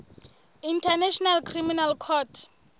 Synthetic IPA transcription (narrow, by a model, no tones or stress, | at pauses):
intʰanaʃʰɔnalkʰriminalkʰɔtʰ